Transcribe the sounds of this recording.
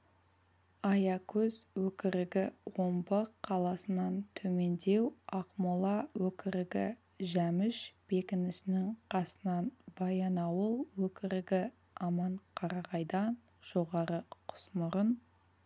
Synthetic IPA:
ɑjɑkʲʰɵzwɵkʲɪɾɪɡʲɪwo̞mbəqʰːɑlˠɑsənɑnt̪ʰɵme̞nd̪e̞wɑqmolˠɑwɵkʲɪɾɪɡʲɪ | ʒæmɪʃb̥e̞kʲɪnɪsɪnɪŋqʰɑsənɑnb̥ɑjɑnɑwəlˠwɵkʲɪɾɪɡʲɪ | ɑmɑɴqʰɑɾɑʁɑjd̪ɑn | ʒ̥o̞ʁɑɾəqʰʊ̥smʊɾən

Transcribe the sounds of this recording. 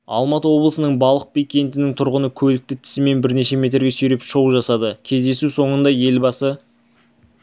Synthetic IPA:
ɑ̰lˠmɑt̪əwo̞blˠəsənəɴbɑlˠəq̚pikʲe̞nt̪ɪnɪŋt̪ʰʊɾʁənəkʲʰɵlɪk̚t̪ɪt̪ʰɪ̥sɪme̞nbɪɾne̞ʃe̞me̞t̪ɾɡʲe̞sɵjɾe̞pʃo̞wʒɑsɑd̪əkʲʰe̞zd̪e̞suso̞ɴənd̪ɑje̞lbɑsə

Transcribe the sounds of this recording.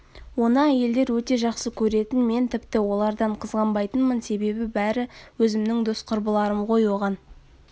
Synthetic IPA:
wo̞nɑæje̞ld̪e̞ɾwɵt̪e̞ʒɑqsəkʲʰɵɾe̞t̪ɪnme̞nt̪ʰɪpt̪ɪwo̞lˠɑɾd̪ɑɴqʰəzʁɑmbɑjt̪ənmənse̞be̞bɪbæɾɪwɵzɪmnɪŋd̪ʊsqʰʊɾbəlˠɑɾəmʁo̞jwoʁɑn

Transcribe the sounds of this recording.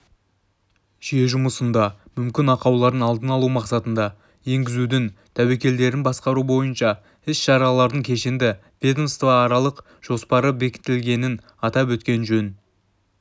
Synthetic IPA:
ʒ̥ije̞ʒʊməsənd̪ɑmʏmkʲɪnɑqɑwlˠɑɾd̪ənɑlˠd̪ənɑlˠumɑqsɑt̪ənd̪ɑ | je̞ŋɡʲɪzud̪ɪnt̪ʰæwe̞kʲe̞ld̪e̞ɾɪnbɑsqɑɾubo̞jənʃɑ | ɪsʃɑɾɑlˠɑɾd̪əɴŋkʲʰe̞ʃend̪ɪ | v̥ʲed̪nst̪vɑːɾɑlˠəq | ʒ̥o̞spɑɾəbe̞kʲɪ̥t̪ɪlɡʲe̞nɪn | ɑt̪ɑpwɵt̪kʲe̞nʒɵn

